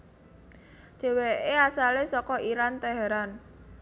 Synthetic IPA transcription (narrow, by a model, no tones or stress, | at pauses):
d̪̥e̤weʔeasalesɔkɔʔiɾant̪ɛɦɛɾan